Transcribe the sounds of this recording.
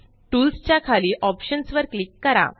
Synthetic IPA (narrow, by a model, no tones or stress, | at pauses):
ʈuːlst͡ɕjakʰaliːʔɔpɕənsʋəɾklikːəɾa̰